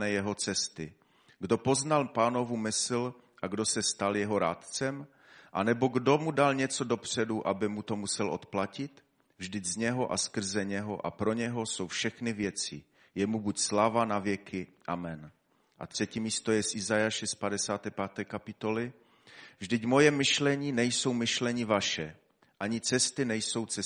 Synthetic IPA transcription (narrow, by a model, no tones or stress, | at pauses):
ɛjɛɦot͡sɛst̪ɪ | ɡdo̞po̞znalpaːno̞vumɪsl | ʔaɡdo̞sɛst̪aljɛɦo̞ɾaːt̪t͡sɛm | ʔanɛbo̞ɡdo̞mudalɲɛt͡so̞do̞pr̝̥ɛduʔabɪmut̪o̞musɛlʔo̞̰t̪placɪt̪ | vʒdɪzɲɛɦoʔaskr̩zɛɲɛɦoʔa̰pɾo̞ɲɛɦo̞so̞wfʃɛxnɪvjɛt͡sɪ̰ | jɛmubucslavanavjɛkʰɪʔamɛn | ʔa̰t̪r̝̥ɛciːmiːst̪o̞jɛsʔɪzajaːʃɛspadɛsaːt̪ɛːpaːt̪ɛːkapɪt̪o̞lɪ | vʒdɪcmo̞jɛmɪʃlɛɲiːnɛjso̞wmɪʃlɛɲɪvaʃɛ | ʔaɲɪt͡sɛst̪ɪnɛjso̞wt͡sɛ